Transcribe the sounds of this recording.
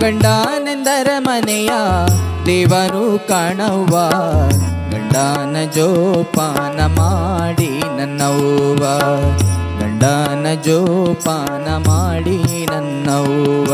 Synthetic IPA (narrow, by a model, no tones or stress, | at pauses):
ɡɐɳɖaːnend̪ɐɾɐmɐnɛja | d̪ɛːʋɐnukaːɳɐʋa | ɡɐɳɖaːnɐd͡ʒɔːpaːnɐmaːɽinɐnːɐʋʋa | ɡɐ̰ɳɖaːnɐd͡ʒoːpa | nɐmaːɽi | nɐnːɐʋɐ